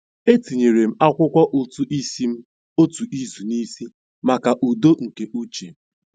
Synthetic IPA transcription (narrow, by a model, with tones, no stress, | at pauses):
e˦ti˨ɲe˨ɾe˨m̩˦a˦kʷʊ˦kʷɔ˦ʔo˨tu˨ʔi˦si˦m̩˦ | o˦tu˨ʔi˦zu˨ni˦si˦ | ma˨ka˨ʔu˨do˦ŋ̩˨ke˨ʔu˦t͡ʃe˨˦